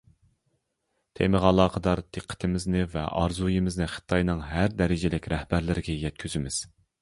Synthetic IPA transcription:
t̪ʰḛmɨʁɑlˠɑːqʰəd̪ɑɾt̪ʰeqʰːə̥t̪ʰɪmɪznɪvɛ̰ʔɑɾzujimɪznɨχə̥t̪ʰːɑjnɨŋɦæɾd̪ɛɾɪd͡ʒɪlɪkʲɾɛhbæɾlɪɾɪɡʲɛjɛt̪̚kʲʰyzymɪz̥

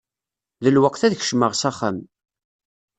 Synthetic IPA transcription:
ðəlwəqθæðçə̥ʃməʁsaχam

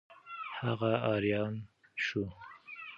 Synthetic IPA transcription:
haɣaɑɾjɑnʃu

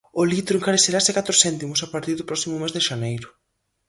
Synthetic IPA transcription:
ʊlit̪ɾʊeŋkaɾeθeɾasɪkat̪ɾʊsɛnt̪imʊsapaɾt̪iɾðʊpɾɔsimʊmezðeʃanejɾʊ

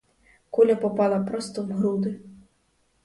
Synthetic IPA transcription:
kɔlʲɐpɔpalˠɐpɾɔst̪ɔvɣɾud̪ɨ

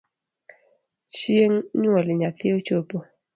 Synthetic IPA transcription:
t͡ʃieŋɲuɔliɲaθiot͡ʃopo

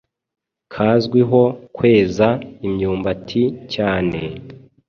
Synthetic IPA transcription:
kʰaːzɡwiɦo̞kwe̞ːzaimɲuːmbatʰicaːne̞

